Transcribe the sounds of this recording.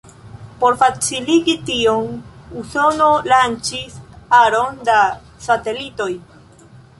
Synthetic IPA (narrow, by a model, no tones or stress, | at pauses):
po̞ɾfat͡siliɡitionuso̞no̞lant͡ʃisaɾo̞nda | sate̞lito̞j